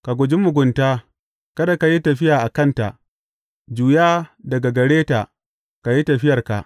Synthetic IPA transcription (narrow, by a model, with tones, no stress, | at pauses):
ka˨ɡʷʊ˨d͡ʒi˦mʊ˨ɡʷʊ˨ntaː˦ | kɐ˦da˨ka˨ji˦tɐ˨ɸɪ˦jaː˨ʔa˨kɐ˦nta̰˨ʔ | d͡ʒuː˨jaː˦dɐ˨ɡa˨ɡɐ˨ɽeː˦ta˨ʔ | ka˨ji˦tɐ˨ɸɪ˦jɐ˨rka̰˨ʔ